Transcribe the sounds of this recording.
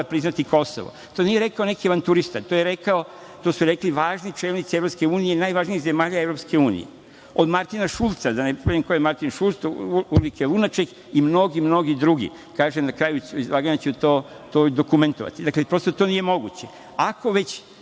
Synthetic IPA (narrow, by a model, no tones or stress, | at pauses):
pɾiznat̪iko̞soʋo̰t̪o̞nijeɾe̞kaonekieʋant̪uɾist̪at̪ojeɾe̞kao | t̪o̞ːsuɾekliʋaːʒnit͡ʃelnit̪sievɾo̞pske̞uːnijeinaːjʋaːʒniiɣze̞maːʎaevɾopske̞uːnḭjḛ | od̪maɾt̪inaʃulˠt̪sad̪anepemkojemaɾt̪inʃulˠt̪sulikelunat͡ʃeɡ | imno̞ɡimno̞ɡid̪ɾuɡḭ | kaːʒenakɾaːjuizʋaɡanat͡ɕɛt̪oː | t̪od̪o̞kume̞nt̪oʋa̰t̪id̪aklepɾo̞st̪ot̪o̞nije̞mo̞ɡut͡ɕe | ako̞ʋe̞t͡ɕ